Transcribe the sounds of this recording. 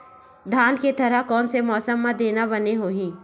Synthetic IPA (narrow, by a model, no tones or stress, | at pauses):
d̪ʱaːnket̪ɐɾəɦkɔːnsemɔːsəmːãd̪eːnabɐneɦoːɦĩː